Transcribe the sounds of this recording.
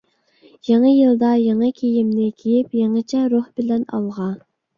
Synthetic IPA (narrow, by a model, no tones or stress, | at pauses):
jɑŋəjɨlˠd̪ɑjɑŋɑkʲʰejimnɪkʲʰejipjeŋɨt͡ʃʰɛɾohbɪlɛnɑ̰lˠʁɑ